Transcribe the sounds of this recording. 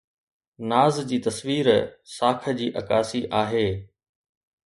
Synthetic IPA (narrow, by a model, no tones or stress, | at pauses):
naːzd͡ʑiːt̪ɐsʋiːɾsaːkʰə̆d͡ʑiːʔɐ̰kaːsiʔaːɦeː